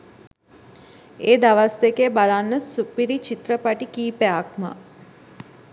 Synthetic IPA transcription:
eːd̪aʋasd̪ekeːbalanːəsupiɾit͡ʃit̪ɾəpaʈikiːpeakmə̰

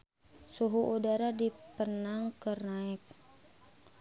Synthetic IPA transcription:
suɦuʔudaɾadipərnaŋkərnaɪk̚

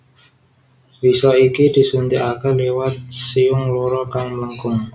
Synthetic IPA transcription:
wisɔikidi̤sunt̪ɪʔakalewat̪̚siʊŋloɾɔkaŋmləŋkʊŋ

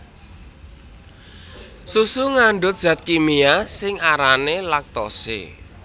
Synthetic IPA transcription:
susuŋaɳɖʊt̪̚ʒ̥ä̤t̪̚kimiasɪŋaɾanelak̚t̪ɔsḛ

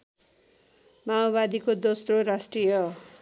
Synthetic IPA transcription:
maobad̪ikod̪osroɾasʈrijʌ

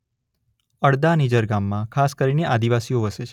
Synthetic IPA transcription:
əɽd̪anid͡ʒəɾɡamːãkʰaskəɾineʔad̪iʋasioʋəʃet͡ʃʰ

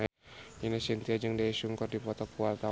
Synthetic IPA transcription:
inasint̪iad͡ʒɨŋdaiʃuŋkɔrdipɔt̪ɔkualt̪a

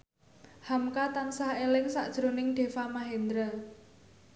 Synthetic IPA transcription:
hamkat̪ansahelɪŋsa̰ʔd̥ʒ̥ɾo̤nɪŋɖ̪̥e̤famaɦend̪ɾə

